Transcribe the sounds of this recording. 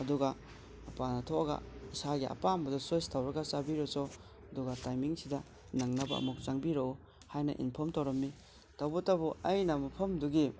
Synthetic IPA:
ɐduɡɐ | ɐpanɐtʰoɐɡɐ̰isaɡiʔɐ̰pambɐdɐsostʰawɾɐɡɐt͡ʃabiɾɔt͡ʃo | ɐduɡɐtajmiŋsidɐ | nɐŋnɐbɐ̰ɐ̰muk̚t͡ʃaŋbiɾɐu | hajnɐ̰ʔḭnpʰɐmtɐwɾɐmːi | tawbɔtːabuɐjnɐmɐpʰɐmduɡi

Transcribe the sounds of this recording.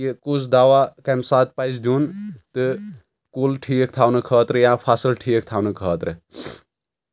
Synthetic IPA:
jikusʰd̪aːʋakɐmsaːt̪̚paizd̪uːnt̪ɨ | kulʈʰiːək̚t̪ʰaːwnɨkʰəːt̪ɾɨjapʰaːsəlʈʰiːək̚t̪ʰaːwnɨkʰəːt̪ɾɨ

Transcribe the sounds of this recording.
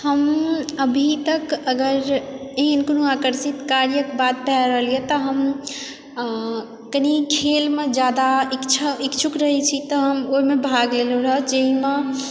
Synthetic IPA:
həməbʱit̪əkəɡəɾeɦnkonoakəɾsit̪kaɾjəkbat̪̚pɦɛɾəɦəlijet̪ɔɦəm | kənikʰelmed͡ʒjad̪aikt͡ʃʰəikt͡ʃʰukɾəɦɛt͡ʃʰit̪ɔɦəmomebʱaɡleloɾəɦəd͡ʒeɦime

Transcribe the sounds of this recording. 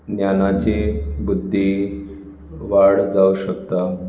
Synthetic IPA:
njanat͡ɕebud̪ʱːi | ʋaɽd͡zauɕəkt̪a

